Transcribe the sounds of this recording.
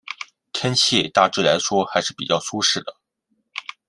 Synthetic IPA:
t̪ʰjɛ˥nt͡ɕʰi˥˩t̪a˥˧ʈ͡ʂɻ̩˥˩la˧˥ɪʂwɔ˥xa˧˥ɪʂɻ̩˥˩pi˨˩t͡ɕjɑ˥˩ʊsu˥ʂɻ̩˥˩d̪ə˩

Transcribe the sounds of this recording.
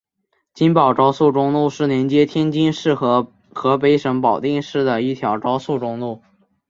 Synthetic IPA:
t͡ɕi˥npɑ˨˩ʊʈ͡ʂɑ˥ʊsu˥˩ʈ͡ʂʊ˥ŋlu˥˧ʂɻ̩˥˩ljɛ˧˥nt͡ɕjɛ˥t̪ʰjɛ˥nt͡ɕi˥nʂɻ̩˥˩x | xɤ˧˥p̬e˧˥ɪʂɤ˧˥ŋpɑ˨˩ʊt̪i˥˧ŋʂɻ̩˥˩d̪ə˩i˥˩t̪ʰjɑ˧˥ʊʈ͡ʂɑ˥ʊsu˥˩ʈ͡ʂʊ˥˧ŋlu˥˩

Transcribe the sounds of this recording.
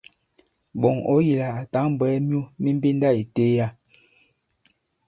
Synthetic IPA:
bɔ˨ŋo˨˦ji˨la˨a˨ta˨˦ŋm˨bɛ˨˦mjo˦mi˦m˦bi˦n˦da˦˨i˨te˦ja˦˨

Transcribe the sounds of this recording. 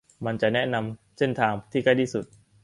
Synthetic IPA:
ma˧nt͡ɕa˨˩nɛ˦˥na˧mse˥˩nt̪ʰaː˧ŋt̪ʰiː˥˩kʰa˥˩jt̪ʰi˥˩su˨˩t̪̚

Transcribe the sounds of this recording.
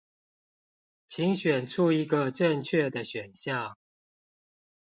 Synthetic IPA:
t͡ɕʰi˨˦ŋɕɥɛ˨˩nʈ͡ʂʰu˥˧i˧˥ɡə˧ʈ͡ʂə˥˧ŋt͡ɕʰɥɛ˥˩d̪ə˨ɕɥɛ˨˩nɕjɑ˥˨ʊ

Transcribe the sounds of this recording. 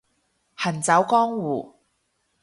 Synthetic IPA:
hɐ˨˩nt͡sɐ˨˥wkɔː˥ŋwuː˨˩

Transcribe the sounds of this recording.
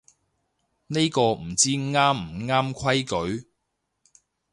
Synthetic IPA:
ne˥jkɔː˧m̩˨˩t͡siː˥ŋaː˥m̩˨˩ŋaː˥mkʰɐ˥jkɵ˨˥ɥ

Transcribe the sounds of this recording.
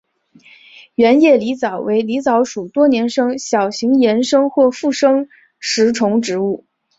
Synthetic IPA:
ɥɛ˧˥njɛ˥˩li˧˥t͡sɑ˨˩ʊwe˧˥ɪli˧˥t͡sɑ˧˥ʊʂu˨˩t̪wɔ˥njɛ˧˥nʂɤ˥ŋɕjɑ˨˩ʊɕi˧˥ŋjɛ˧˥nʂɤ˥ŋxwɔ˥˧fu˥˩ʂɤ˥ŋ | ʂɻ̩˧˥ʈ͡ʂʰʊ˧˥ŋʈ͡ʂɻ̩˧˥u˥˩

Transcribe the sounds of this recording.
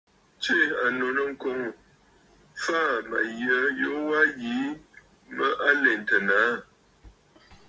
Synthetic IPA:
t͡ʃe˦˨a˨no˨nə˦ŋ̩˦ko˨˦ŋ˨ | fa˦ma̰˨jə˨˦jo˦wa˦ji˨˦ | mə˦ʔa˦le˨n˨tə˨na˨˦

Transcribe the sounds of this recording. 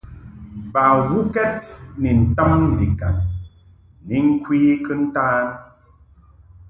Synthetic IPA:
ba˨wu˦kɛ˦t̚ni˨n̩˨tɔ˦ŋn̩˨di˨ka̰˨n | ni˨˦ŋ̩˦kwiː˦kɨ˦n̩˦taː˦n

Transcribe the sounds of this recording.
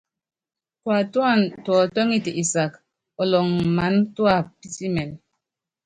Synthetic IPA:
kwa˨twa˦˨ntɔ˨tɔ˦ŋi˦ti˨ʔi˨sa˨k | ɔ˨lɔ˨ŋma˨˦ntwa˦˨pi˦ti˦mɛ˨n

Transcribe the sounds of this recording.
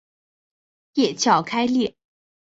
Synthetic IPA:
jɛ˥˩t͡ɕʰjɑ˥˩ʊkʰa˥ɪljɛ˥˩

